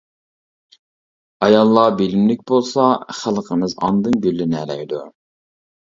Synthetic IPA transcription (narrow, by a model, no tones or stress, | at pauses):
ɑjɑlˠːɑbilmlɪk̚ʲbolˠsɑχælˠqʰəmɨzɑ̰nd̪ɨnɡʲølːɪnɛlɛjd̪u